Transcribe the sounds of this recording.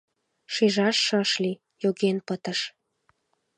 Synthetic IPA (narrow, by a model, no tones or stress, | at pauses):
ʃiʒɑʃːəʃli | joɣenpət̪əʃ